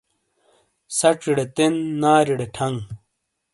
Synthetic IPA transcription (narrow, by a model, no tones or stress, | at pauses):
sɐʈ͡ʂiɽet̪enːaːɾiɽeʈʰɐŋɡ